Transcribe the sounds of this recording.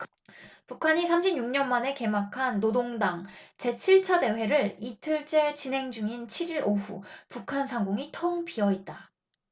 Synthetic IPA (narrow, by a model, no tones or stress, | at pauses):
pukʰaɲisʰamɕʰibɲuŋɲʌnmane̞ke̞makʰanːodoŋdaŋt͡ɕe̞t͡ɕʰiɭt͡ɕʰʌde̞we̞ɾɯɭitʰɯɭt͡ɕ͈et͡ɕinɦe̞ŋd͡ʑuŋint͡ɕʰiɾiɾʔoɸṵpukʰansʰaŋɡoŋitʰʌŋpiʌit̚t͈a